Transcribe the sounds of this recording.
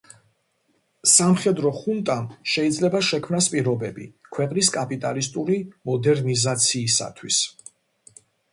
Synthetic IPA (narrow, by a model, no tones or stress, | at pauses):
samχɛd̪ɾɔχunt̪ʼamʃɛid̪zlɛbaʃɛkʰmnaspʼiɾɔbɛbikʰwɛqʼnis̬kʼapʼit̪ʼalist̪ʼuɾimɔd̪ɛɾnizat̪sʰiːsa̰t̪ʰwḭs